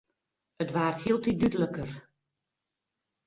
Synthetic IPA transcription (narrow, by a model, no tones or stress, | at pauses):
ətʋaːrthiəlˠtidydələkər